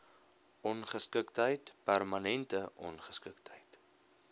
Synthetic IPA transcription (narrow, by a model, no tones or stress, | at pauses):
ɔnχəskəktəjtpærmɐnɛntəʔɔ̰nχəskəktʰəjt